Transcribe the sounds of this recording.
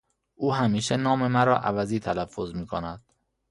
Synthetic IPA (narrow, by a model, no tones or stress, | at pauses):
ʔuːɦæmiːʃenɒːme̞mæɾɒːʔæ̰væziːt̪ʰælæfːozmiːkʰonæd̪̥